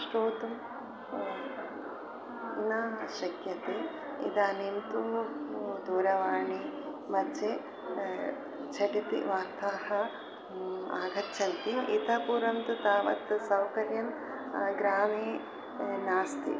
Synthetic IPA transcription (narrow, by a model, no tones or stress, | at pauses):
ʃʈoːt̪u | nɐʃɐkjɐt̪i | ḭd̪aːnimt̪uːd̪uːɾɐʋaːɳimɐdd͡ʒe | t͡ʃʰɐʈit̪ḭʋaːɾt̪aːhɐ̆ | aːɡɐɾt͡ʃʰɐnt̪iit̪ɐpuːɾɐmt̪ut̪aːʋɐ̰t̪sɐwkɐɾjɐn | ɡɾaːmeː | naːst̪ḭ